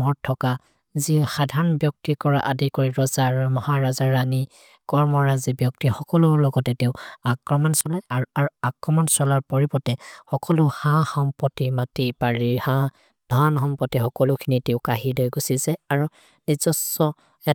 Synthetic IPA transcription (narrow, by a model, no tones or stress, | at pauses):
mɔɹtʰːɔka | zixadʱaɹɔnbjɔk̚tikɔɹa̰ʔadikoɹiɹɔzaɹumɔhaɹazaɹːani | kɔɹmɔɹazibjɔk̚tixɔkɔlʊɹlɔɡɔtɛteʊakɹɔmɔnsɔlɛaɹuaɹuakɹɔmɔnsɔlaɹpɔɹipɔtɛxɔkɔlʊhãxɔmpɔtimatipaɹihã | d̥ʱɔnɦɔmpɔtixɔkɔlʊkʰiniteʊkaɦidojɡusizɛaɹu | nizɔsɔ | ɛ